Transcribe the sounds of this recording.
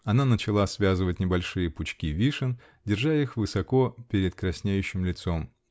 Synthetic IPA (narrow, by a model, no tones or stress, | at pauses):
ɐnanət͡ɕɪlˠasvʲazɨvət̚ʲnʲɪbɐlʲʂɨjəpʊt͡ɕkʲivʲiʂɨn | dʲɪrʐajixvɨsɐko̞pʲeɾʲɪt̪kɾɐsʲnʲejʉɕːɪmlʲɪt̪so̞m